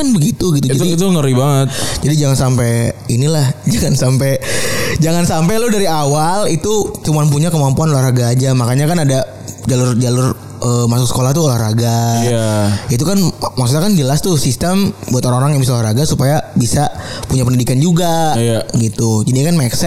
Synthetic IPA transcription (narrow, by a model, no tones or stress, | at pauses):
anbəɡit̪uɡit̪ud͡ʒd͡ʒat̪t̪uŋəɾibaŋət̪̚d͡ʒadid͡ʒaŋansampeinilahd͡ʒaŋansamped͡ʒaŋansampeludaɾiawalit̪ut͡ʃumanp̬uɲakəmampuanolaraɡaːd͡ʒamakaɲakanada | d͡ʒalʊrd͡ʒalʊr | əmasʊk̚sə̥kolaht̪uolahraɡajait̪̬ukanmaksuɲakand͡ʒəlast̪ʊhsist̪əmbuat̪oɾaŋoɾaŋjaŋbisaolaraɡasupajabisapuɲapəndidikand͡ʒuɡajaɡit̪ud͡ʒadiɲakanmaksɛ